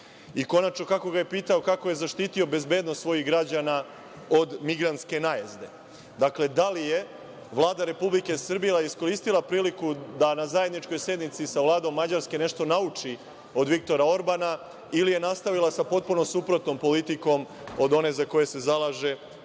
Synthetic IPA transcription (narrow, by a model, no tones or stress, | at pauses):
iko̞nat͡ʃno̞kako̞ɡaje̞piːt̪aokako̞je̞zaʃt̪iːt̪io̞be̞zbe̞ːd̪nost̪sʋo̞jiɡɾad͡ʑana | o̞d̪miɡɾant̪ske̞najazd̪e̞̰ | d̪akle̞d̪alije̞ | ʋlˠaːd̪aɾe̞publike̞sr̩bielˠaisko̞ɾiːst̪ilˠapɾiːlikud̪anazaje̞d̪nit͡ʃko̞jse̞d̪nit̪sisaʋlˠaːd̪o̞mːad͡ʑaɾske̞ne̞ʃt̪o̞naut͡ʂi | o̞d̪ʋik̚t̪o̞ɾao̞ɾbana | ilije̞nast̪aʋilˠasapo̞t̪̚puno̞supɾo̞t̪no̞mpo̞lit̪iko̞m | o̞d̪o̞ne̞zako̞je̞se̞zalˠaːʒe̞